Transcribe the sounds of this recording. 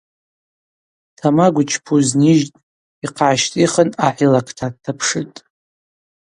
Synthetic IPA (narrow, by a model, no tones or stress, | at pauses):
tʰamaɡʷʊt͡ʃʰpʰuzniʒtʼ | iqʰaʃtʼiχənaħʷilakʰtʰadtʰːapʰʂɨtʼ